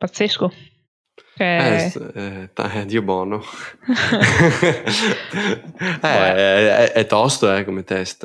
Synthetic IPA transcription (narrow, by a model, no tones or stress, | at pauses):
pat̪sːesko | kɛɛɛt̪a̰ɛd̪iːobɔno | ɛɛʔɛt̪ːɔst̪oɛkomet̪ɛst̪